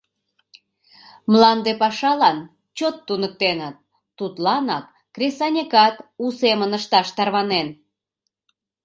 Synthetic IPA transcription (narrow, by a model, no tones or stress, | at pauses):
mlɑnd̪epɑʃɑlɑn | t͡ɕot̪ːunək̚t̪enət̪̚ː | ut̪lɑnɑkːrʲesɑnʲekɑt̪usemənəʃt̪ɑʃt̪ɑrβɑnen